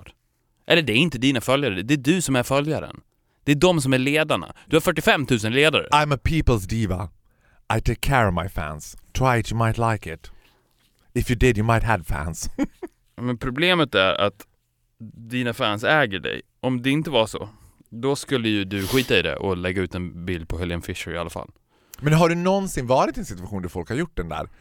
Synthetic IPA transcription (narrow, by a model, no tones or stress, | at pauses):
ʔɛlːəɖɛːɾɪnt̪əd̪iːnafœljaɾəd̪ɛːɖɵsɔmæɾfœljaɾə̰n | d̪̥ɛːɖɔms̬ɔmæɭeːd̪aɳa̰d̪̥ɵhaɾfœʈːɪfɛmːt̪ʰʉ̟ːs̬ənleːd̪aɾə̰ʔãɪ̃məpʰipəl̩ˠzdivə̰ | aɪtʰɪkʰːɛɹimaɪfæ̰̃nstʰɹ̥aɪtjəmaɪt̪laɪkɪt | ɪfjɨdɪdjəmaɪt̚ɦəd̥fæ̰̃ns | mɛnpʰɾʊbleːmət̪æ̰ɾa̰t̪ | d̪iːnafænsɛːɡəɖɛ̰j | ʔɔmd̪ɛɪnt̪əvaʂɔ̰ | d̪ɔskɵlːəjɵd̪ɵɧiːt̪aɪd̪ɛ̰ʔɔlɛɡːaʉ̟ːt̪ɛnbɪld̪̚pʰɔɦɛljənfɪʂəɾɪalːafa̰l | mɛnɦaɖɵnɔnsɪnvɑːɾɪt̪ɛnsɪt̪ʉaɧuːnd̪æɾfɔlkhaɾjʊʈ̚ːd̪ɛnd̪æ̰ːɾ